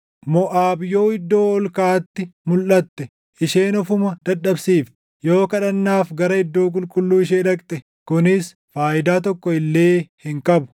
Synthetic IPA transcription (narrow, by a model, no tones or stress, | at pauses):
mɔʔaːbjo̞ːɪd̪ːo̞ːɔlkaːt̪ːɪmʊlʔɐt̪ːɛ | ʔɪʃeːnɔfʊmɐd̪ɐᶑːɐbsiːf | joːkɐᶑɐnːaːfɡɐɾɐɪd̪ːo̞ːk̬ʼʊlkʼʊlːuːɪʃ̬eːᶑɐkʼt̪ʼɛ | kʊnɪs | faːʔɪd̪aːt̪̬ɔkːɔɪlːe̞ːhɪŋkʼɐbʊ̥